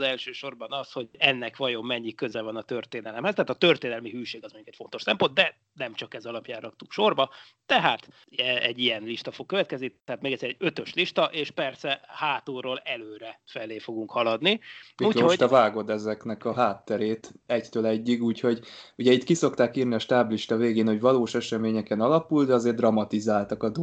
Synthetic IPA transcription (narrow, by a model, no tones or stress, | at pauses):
zɛlʃøːʃo̞rbɒnɒsho̞ɟɛnːɛkʋɒjo̞mːɛɲːikːø̞zɛvɒnɒt̪ø̞rt̪eːnɛlɛmhɛst̪ɛɦːt̪t̪ø̞rt̪eːnɛlmiɦyːʃeːɡɒzmo̞ɲːukɛcfo̞nt̪o̞ʃsɛmpo̞nd̪d̪ɛ | nɛmt͡ʃɒkɛzɒlɒpjaːrɒk̚t̪ukʃo̞rbɒ | t̪ɛɦaːt̪ | ɛɛɟːijɛnliʃt̪ɒfo̞k̚ːøvɛt̪̚kɛznit̪ɛɦaːt̪meːɡɛt̪sːeːɾɛɟø̞t̪ø̞ʃliʃt̪ɒʔeːʃpɛrsɛhaːt̪oːroːlɛløːɾɛfɛleːfo̞ɡuŋkhɒlɒd̪niiuːot̪ɛvaːɡo̞d̪ɛzɛknɛkɒɦaːt̪ːɛɾeːt̪ɛct̪øːlɛɟːiɡuːcho̞ɟuɟɛit̪kiso̞kt̪aːkiːrniɒʃt̪aːbliʃt̪ɒveːɡeːnho̞ɟvɒloːʃɛʃɛmeːɲɛkɛnɒlɒpuld̪ɛɒzeːrd̪rɒmɒt̪izaːlt̪ɒkɒd̪